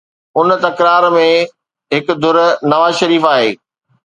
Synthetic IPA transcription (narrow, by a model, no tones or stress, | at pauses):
ʊnt̪ɐkɾaːɾmẽ | ɦɪk̆d̪ʱʊɾnɐʋaːzʃɐɾiːfaːɦeː